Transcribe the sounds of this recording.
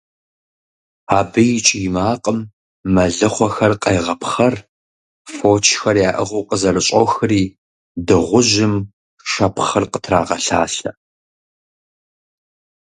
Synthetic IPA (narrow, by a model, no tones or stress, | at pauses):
aːbɨjɪt͡ʃʼijɪmaːqʼəmː | ɐɮɨχʷɔxɐrqɐjʁɐpχɐr | foːt͡ʃʰxɐrjaːʔɨʁɐwqəzɐrɨɕʼɔxɨriː | dɨʁʷʊʒɪm | ʃɐpχɐrqətʰraːʁɐɬa̰ːɬɐ